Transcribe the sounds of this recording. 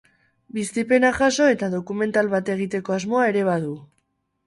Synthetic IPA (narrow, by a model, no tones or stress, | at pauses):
bist̪ipe̞naʝaso̞e̞t̪aðo̞kume̞nt̪alβat̪e̞ɣ̞it̪e̞ko̞azmo̞aeɾe̞β̞að̞u